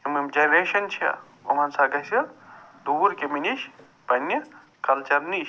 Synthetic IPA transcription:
imɐmd͡ʒɐnɾeːʃɐnt͡ʃʰiɐ̰ | o̰mɐnsaɡɐsɐd̪uːɾkeminiʃ | pɐnːɐ | kɐlt͡ʃɐɾniʃ

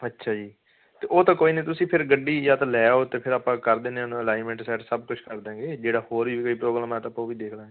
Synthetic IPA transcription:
ətːʃʰaːd͡ʒiː | t̪eːʔoːt̪ãːkoːiːnẽːt̪̬ʊsĩːpʰɪɾɡəɖːiːjaːt̪alɛːoːt̪eːpʰɪɾaːpãːkəɾd̪eːneãːnũːəlaːɪnmɛ̃ːɳʈsɛːʈsəb̚kʊt͡ʃʰkəɾd̪ẽːɡeːd͡ʒeːɽaːhoːɾʋiːkoiːpɾoːɡɾəːmɛ̃ːt̪əːpːõːʋiːd̪eːkʰlãː

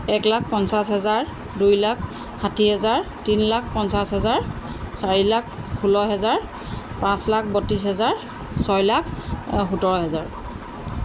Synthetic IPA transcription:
ɛklak̚ʰpɔnsasɦɛzaɹ | dujlak̚ʰ | xatiɦɛzaɹ | tinlak̚ʰpɔnsasɦɛzaɹ | saɹilakʰpʰulɔɦɛzaɹ | pãslak̚ʰbotisɦɛzaɹ | sɔjlakʰxutɔɹɔɦɛzaɹ

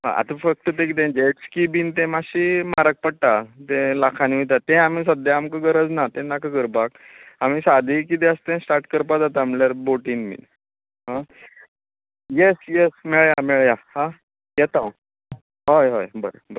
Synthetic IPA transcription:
ɦã̰ʔa̰t̪afək̚t̪ət̪ẽk̬it̪̬ẽd͡ʑeʈskibiːnt̪ẽmaɕimaɾək̚pəɽʈat̪ẽlakʰaniʋit̪at̪ẽam̤is̬əd̪jaamkəɡəɾəd͡znat̪ẽnakəɡəɾbak̚ | am̤isad̪ʱikit̪eəst̪ẽsʈaɾʈkəɾpad͡zat̪aːmljaɾboʈinmḭn | ɦã | jesjesmeɭjamɛɭjahã | jɛt̪aw | ɦojɦo̰jbəɾə̰bəɾ

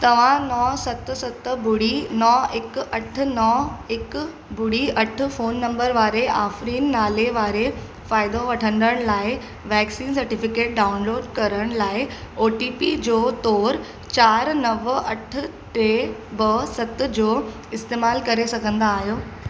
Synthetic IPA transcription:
t̪ɐʋ̤ãnɔsɐt̪sɐt̪bʊɽinɔɪkɐʈʰʊ̆nɔɪk | bʊɽiɐʈʰʊ̆foːnːɐ̃mbəɾʋaːɾeʔaːfɾiːnːaːleʋaːɾe | faːɪd̪oʋɐʈʰə̃nd̪əɽ̃laːɪ | ʋɛːksiːnsɐɾʈɪfɪkeːʈ̚ɖaːʊnloːɖkɐɾəɽ̃laːɪoːʈiːpid͡ʑoːt̪ɔːɾ | t͡ɕaːɾnɐʋɐʈʰʊ̆ | ʈeːbɐsɐt̪d͡ʑoː | ɪst̪eːmaːlkɐɾesɐɡʱə̃nd̪aːɦijoː

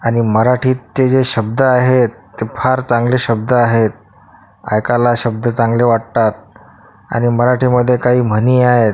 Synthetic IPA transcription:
aɽ̃iməɾaʈʰiːt̪ːed͡zeɕəb̚d̪əaɦet̪ːefʰaɾt͡sãŋɡleɕəb̚d̪əaɦet̪̚ | a̰jkalaɕəb̚d̪ət͡sãŋɡleʋaʈ̚t̪at̪̚ | a̰ɽ̃iməɾaʈʰiːməd̪ʱːjekaɦiːm̤əniːaɦet̪̚

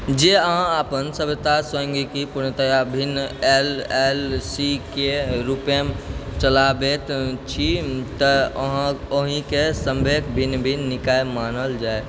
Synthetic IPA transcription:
d͡ʒeəɦãapənsəbt̪asə̃ŋɡikipuɾnət̪əjabʱinːelelsikeɾupemt͡ʃəlabet̪t͡ʃʰit̪əəɦãoɦĩkesə̃mbʱekbʱinːbʱinnikajmanəld͡ʒae

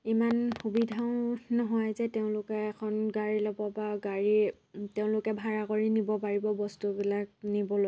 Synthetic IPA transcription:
imanxubidʱaʊ̃nɔɦɔjzɛteʊ̃lʊkɛːkʰɔnɡaɹilɔbɔbaɡaɹi | teʊ̃lʊkɛbʱaɹakoɹinibɔpaɹibɔbɔstubilak̚nibɔlo

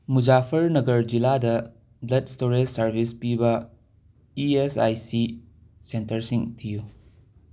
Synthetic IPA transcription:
mud͡ʒapʰɐɾnɐɡɐɾd͡ʒiladɐ | blɐtstoɾesɐɾbʱispibɐ | iesa̰jsi | sentɐɾsiŋtʰiju

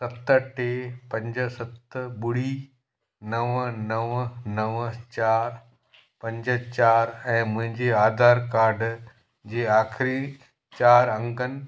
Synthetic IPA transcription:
sɐt̪ʈeːpɐ̃ɲd͡ʑə̆sɐt̪ɓʊɽi | nɐʋnɐʋnɐʋət͡ɕaːɾ | pɐ̃ɲd͡ʑə̆t͡ɕaːɾɛ̃ːmʊ̃ɦɪ̃ɲd͡ʑeaːd̪ʱaːɾkaːɾɖ | d͡ʑeːaːxɪɾi | t͡ɕaːɾɐ̃ŋɡənɪ̆

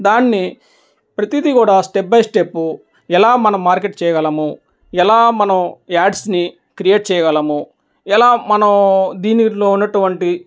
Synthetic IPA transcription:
d̪aːnːi | pɾɐt̪id̪ikuːɽaːsʈep̚bɐjsʈepːu | ɛlaːmɐnɐmːaːɾkeʈ̚t͡ʃɛːjɐɡɐlɐmu | ɛlaːmɐnɐmaːɖsni | kɾijeːʈ̚t͡ʃɛːjɐɡɐlɐmu | ɛlaːmɐnɐmd̪iːnilo̞ːunːɐʈuʋɐɳʈi

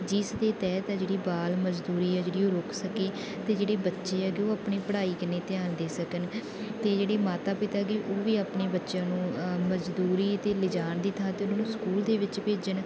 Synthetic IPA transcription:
d͡ʒɪsd̪eːt̪ɛːt̪ɛːd͡ʒeːɽiːbaːlməd͡ʒd̪uːɾiːɛːd͡ʒeːɽiːoːɾʊkʰsəkeː | t̪eːd͡ʒeːɽeːbətːʃeːɛːkɪoːaːpɳiːpəɽaːiːkɪneːt̪ɪjaːnd̪eːsəkən | t̪eːd͡ʒeːɽeːmaːt̪aːpɪt̪aːkɪʔoːʋiːaːpɳeːbətːʃjãːnũːməd͡ʒd̪uːɾiːt̪eːlɪd͡ʒaːnd̪iːt̪ʰãːt̪eːʊnãːnũːskuːld̪eːʋɪt͡ʃpeːd͡ʒən

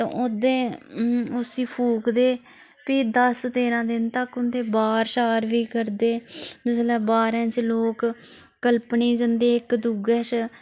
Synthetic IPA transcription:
t̪ã̰ːʊd̪ẽː | ʊsiːpʰuːkd̪eː | piːd̪əst̪eːɾãːd̪ɪnt̪əkʊnd̪ẽːbaːɾʃaːɾʋiːkəɾd̪eːd͡ʒ̪ɪslɛːbaːɾɛ̃ːt͡ʃloːkː | əlpniːd͡ʒənd̪eːɪkd̪uːɡɛːʃ

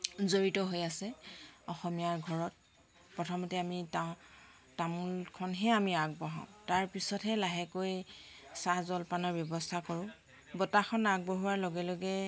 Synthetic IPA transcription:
zoɹitɔɦojasɛɔxɔmijaɹɡʱɔɹɔt̚ | pɹɔtʰɔmɔtɛamita | tamulkʰɔnɦɛamiaɡ̚bɔɦãʊ̃taɹpisɔtɦɛlaɦɛkojsazɔlpanɔɹbjɔbɔstʰakɔɹʊ̃ | bɔtaxʰɔnaɡ̚bɔɦuwaɹloɡɛloɡɛ

